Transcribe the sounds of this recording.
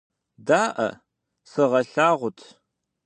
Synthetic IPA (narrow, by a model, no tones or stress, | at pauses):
daːʔɐ̰ | sɨʁɐɬaːʁʷʊtʰ